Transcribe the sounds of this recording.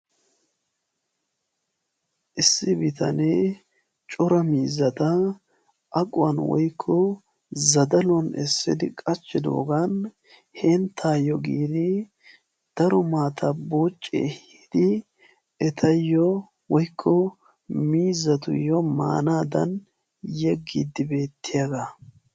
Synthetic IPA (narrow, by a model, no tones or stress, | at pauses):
ʔɪsːɪbɪt̪ʰɐneː | t͡ʃʼʊɾɐmiːzːɐt̪ɐ | ʔɐkʼʊɐnwɔ̰jkʰːɔ | zɐd̪ɐlɔnɛsːɪ̰d̪ɪkʼɐt͡ʃːɪd̪o̰ːɡɐn | hɛnt̪ʰːaːjɔɡiːd̪ɪ | d̪̥ɐɾɔmaːt̪ʰɐboːt͡ʃʼːɛ̰hhɪd̪̥ɪ | ɛt̪ʰɐjːɔ | wɔjkʰːɔ | miːzːɐt̪ʊ̰jːɔma̰ːnaːd̪ɐn | jɛɡːid̪ɪbe̞ːt̪ːɪjɐɡɐ